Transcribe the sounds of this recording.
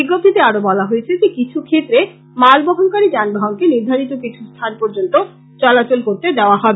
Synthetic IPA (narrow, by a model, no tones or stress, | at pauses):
biɡːot̪ʰːit̪eaɾobɔlaɦojet͡ɕʰed͡ʑekit͡ɕʰukʰet̪ːɾe | malbɔɦonkaɾid͡ʑanbaɦoŋkeniɾd̪ʱaɾit̪okit͡ɕʰust̪ʰanpoɾd͡ʑont̪o | t͡ɕɔlat͡ɕolkoɾt̪ed̪eoaɦɔbe